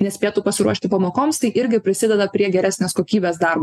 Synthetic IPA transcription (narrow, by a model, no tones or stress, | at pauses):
nʲɛsʲpʲeːt̪uːpɐsʲɪɾuɔʃʲt̪ʲɪpɐmoːkoːmst̪ɐɪʔɪɾʲɡʲɪpʲɾʲɪsʲɪd̪ʲɛd̪ɐpʲɾʲiɛɡʲɛɾʲæːsʲnʲeːskoːkʲiːbʲeːsd̪ɑɾboː